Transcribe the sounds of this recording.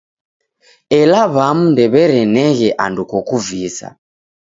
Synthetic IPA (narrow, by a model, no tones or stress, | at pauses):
ɛlaβamundɛβɛɾɛnɛɣɛʔandukɔkuvisa̰